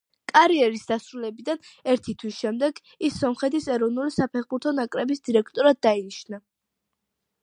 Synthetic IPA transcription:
kʼaɾiɛɾisd̪asɾulɛbid̪anɛɾt̪ʰit̪ʰwisʃɛmd̪ɛɡ | isːɔmχɛt̪ʰisɛɾɔvnulisapʰɛχbuɾt̪ʰɔnakʼɾɛbisd̪iɾɛkʰt̪ʼɔɾad̪̚ːainiʃna

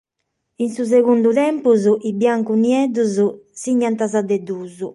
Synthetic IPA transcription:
insuz̬ɛɣund̪uðɛmpuzuʔibjaŋkuniɛd̪uzusiɲːant̪azad̪ɛd̪uːzu

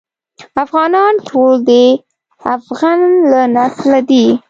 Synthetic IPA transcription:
afɣɑnɑnʈʰold̪e | afɣanlanaslad̪i

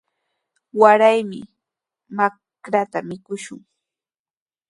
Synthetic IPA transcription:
waɾajmɪ̰ | ma | kɾat̪amɪkʊʃʊŋ

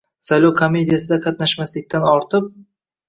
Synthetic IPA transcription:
sajlˠɒwkʰome̞d̪ijasɪd̪aqʰɑt̪naʃmaslɪk̚ʲt̪ʰanɒɾt̪ʰɪp̚

